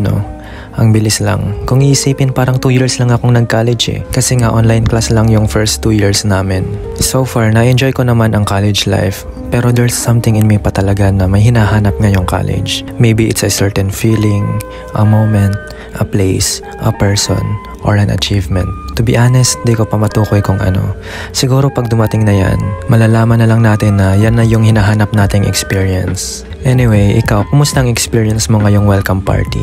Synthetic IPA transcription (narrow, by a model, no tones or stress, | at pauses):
no̰ | ʔɐŋbɪlɪslɐ̰ŋkʊŋʔiʔɪsiːpɪnpaːɾɐŋt̪uːjiɹslɐŋɐkoŋnɐɡ̚kaːlɛd͡ʒɛ̰kɐsɛŋaʔonlajnklaslɐŋjʊŋfɛɹst̪ːujiɹsnaːmɪn | sowfaɹnɐʔɛnd͡ʒo̞jkonɐmanɐŋkalɛd͡ʒla̰jf | pɛɾo̞d̪ɛɹsːɐmt̪ɪŋɪnmɛpɐt̪ɐlɐɡanɐmɐjhɪnaːɦaːnɐp̚ŋajʊŋka̰lɛ̰d͡ʒmejbiʔɪ̰t̪sɐsɛɹt̪ɛnfiːlɪŋ | ʔɐmowmɛnt̪̚ | ʔɐplejs | ʔɐpɛɹso̰n | ʔo̰ɹɐnʔɐ̰t͡ʃiːvmɛ̰̃nt̪ːʊbiʔanɛst̪̚d̪ikopɐmɐt̪uːkojkʊŋʔɐ̰no̞̰ | sɪɡuːɾo̞pɐɡ̚d̪ʊmɐt̪ɪŋnɐja̰nmɐlaːlaːmɐnːɐlɐŋnaːt̪ɪnːɐjanːɐjʊŋhɪnaɦaːnɐp̚naːt̪ɪŋʔɛ̰kspiːɹiɛns | ʔɛnɪwejʔɪ̰kawkʊmʊst̪ɐʔɐŋɛkspiːɹijɐnsmoŋɐjʊŋwɛlkɐmpa̰ɹt̪ḭ